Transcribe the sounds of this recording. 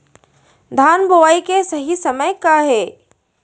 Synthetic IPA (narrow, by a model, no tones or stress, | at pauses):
d̪ʱaːnbʱoʋaːikesɐɦisɐməjkaɦɛː